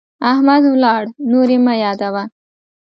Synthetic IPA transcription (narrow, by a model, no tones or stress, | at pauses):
aɦmad̪ulaɽnuɾimɐjaːd̪aʋa